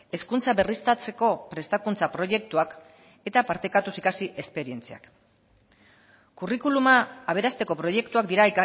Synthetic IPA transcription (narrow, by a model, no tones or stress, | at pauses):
e̞skunt͡saβe̞rist̪at͡se̞ko̞pɾe̞st̪akunt͡sapɾo̞ʝe̞kt̪uak | e̞t̪apaɾt̪e̞kat̪usikasiʔe̞spe̞ɾie̞nt͡sia̰k | kurikulumaːβ̞e̞ɾast̪e̞ko̞pɾo̞je̞kt̪uakd̪iɾaika